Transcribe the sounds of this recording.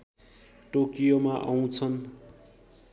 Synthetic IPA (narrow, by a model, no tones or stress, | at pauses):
ʈokijomaʔaw̃t͡sʰʌn